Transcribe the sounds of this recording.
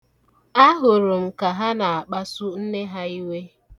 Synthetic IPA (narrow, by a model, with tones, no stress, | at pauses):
a˦ɦʊ˨ɾʊ˨m̩˨ka˨ɦa˦na˨a˨k͡pa˦sʊ˦n̩˦ne˦ɦa˦i˦we˦